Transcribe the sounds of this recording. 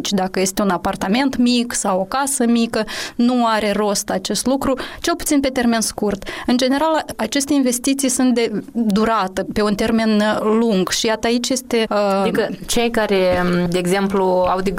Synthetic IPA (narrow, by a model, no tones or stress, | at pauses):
t͡ʃʲd̪akəje̞st̪e̞unapart̪ame̞nt̪miksawo̞kasəmikənuaɾe̞ro̞st̪at͡ʃe̞st̪lukɾut͡ʃe̞lput̪sinpe̞t̪e̞rme̞nskurt̪ɨnd͡ʒe̞ne̞ɾalat͡ʃe̞st̪einve̞st̪it̪sijsunt̪̚d̪e̞d̪uɾat̪əpe̞unt̪e̞rme̞nluŋɡʃijat̪əait͡ʃʲje̞st̪e̞ikət͡ʃe̞jkaɾed̪eːɡzempluawd̪e